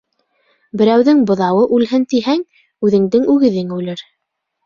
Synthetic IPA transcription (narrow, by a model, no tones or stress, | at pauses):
bɘ̆ɾæwðɘŋbŏðɑwɤʔʉlɦɘnt̪iɦæŋ | ʉðɘ̆ŋd̪ɘŋʉɣɘ̆ðɘŋʉlɘɾ